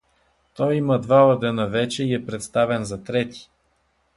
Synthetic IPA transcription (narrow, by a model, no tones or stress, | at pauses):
t̪ɔjiməd̪vaod̪ɛnavɛt͡ʃɛiɛpɾɛt̪st̪avɛnzɐt̪ɾɛt̪i̥